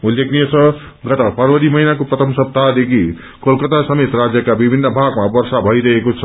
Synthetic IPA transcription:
ulekʰnijet͡sʰʌ | ɡʌt̪ʌpʌrwʌɾimʌɦinakoprʌt̪ʰʌmsʌb̚t̪ad̪ekʰi | kolkʌt̪asʌmet̪rad͡zjʌkabibʱinːʌbʱaɡmabʌrsabʱʌjɾʌekot͡sʰʌ

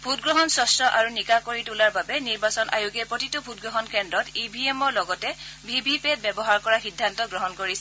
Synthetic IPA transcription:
bʱutɡɹɔɦɔnsɔstɹɔʔaɹunikakoɹitulaɹbabɛniɹbasɔnʔa̰juɡɛpɹotitubʱut̚ɡɹɔɦɔnkɛndɹɔtibʱiemɔɹlɔɡɔtɛbʱibʱipet̚bɛbɔɦaɹkɔɹaxidʱːantɔɡɹɔɦɔnkoɹisɛ

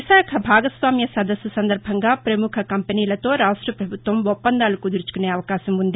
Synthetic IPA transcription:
iʃaːkʰɐbʱaːɡɐsʋaːmjɐsɐd̪ɐsːusɐnd̪ɐɾbʱɐŋɡaːpɾɐmukʰɐkɐmpeniːlɐt̪o̞ːɾaːʂʈɾɐpɾɐbʱut̪ʋɐmɔpːɐnd̪aːlɐkud̪uɾut͡ʃu̥kuneːɐʋɐkaːʃɐmund̪i

